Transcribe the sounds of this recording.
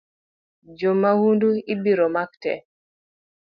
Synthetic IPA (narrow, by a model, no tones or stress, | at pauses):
d͡ʒomːawunduibiɾɔmak̚tɛ̰